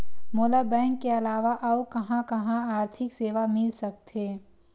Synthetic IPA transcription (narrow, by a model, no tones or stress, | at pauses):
moːlabɛ̃ːŋkːeɐlaːʋaʔɐokɐɦãkɐɦãaːɾt̪ʰɪkseːʋamɪlsɐk̚t̪eː